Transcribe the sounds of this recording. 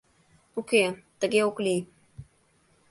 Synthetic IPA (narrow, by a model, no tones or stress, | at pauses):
uket̪əɡeukli